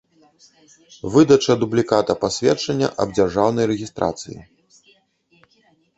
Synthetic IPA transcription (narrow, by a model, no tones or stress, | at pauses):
vɨd̪ɐt͡ʂɐd̪ublʲikat̪ɐpasʲvʲɛt͡ʂɐnʲːɐ̰ʔɐ̰bd͡zʲarʐawnɐjrɛɣʲist̪ɾa̰t̪sɨjḭ